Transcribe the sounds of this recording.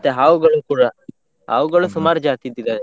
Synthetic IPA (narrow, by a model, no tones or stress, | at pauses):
t̪eɦaːʋuɡɐɭukuːɽa | ɦa̰ʋuɡɐɭusumaːɾd͡ʒaːt̪id̪id̪a